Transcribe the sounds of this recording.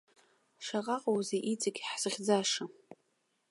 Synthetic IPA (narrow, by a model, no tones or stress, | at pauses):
ʂaʁaqʼowzeʔit͡sʼaɡʲħz̥ɨʁʲd͡zaʂa